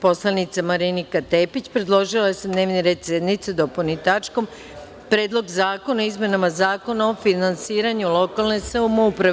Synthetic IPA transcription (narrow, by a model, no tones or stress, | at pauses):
po̞slˠanit̪samaɾinikat̪e̞ːpit͡ɕpɾe̞d̪lˠo̞ʒilajesed̪ne̞ːʋniɾe̞ːd̪sed̪nit̪sed̪oponit̪at͡ʃko̞m | pɾe̞ːd̪lˠo̞ɡzaːko̞naizmʲe̞namazaːko̞nao̞finansiːɾaɲulo̞kalˠne̞seumoupɾa